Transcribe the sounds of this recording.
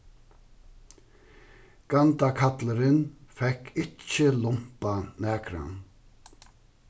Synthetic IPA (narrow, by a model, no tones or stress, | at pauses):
ɡ̥ɑnt̪akʰɑt̪ləɾɪnfɛkʰɪt͡ʃːəlʊm̥panæːkʰɾɑ̰n